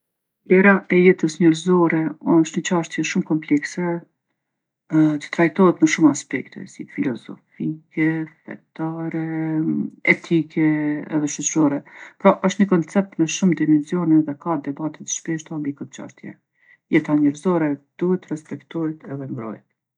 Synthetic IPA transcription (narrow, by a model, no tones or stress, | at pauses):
dɛɾaʔɛjɛt̪əsɲɛɾzɔɾɛɔʃt̪ɲət͡ɕaʃt̪jɛʃumkɔmplɛksɛ | t̪ə̥t̪ɾajt̪ɔɦɛt̪məʃumaspɛkt̪ɛ̰sifilɔzɔ̰fikɛfɛ̰t̪aɾɛ | ɛt̪ʰikʰɛɛ̰ðɛʃət͡ʃəɾɔɾɛpɾɔʔɔʃt̪ɲəkɔnt͡sɛp̚t̪mɛʃumd̪imɛnzjɔnɛðɛkad̪ɛbat̪ɛt̪ʃpɛʃt̪ambikɔt̪t͡ʃa̰ʃt̪jɛ̰ | jɛt̪aɲɛɾzɔɾɛd̪̥uhɛt̪rɛspɛkt̪ɔɾit̪ʰɛðɛmbɾɔ̰jt̪̚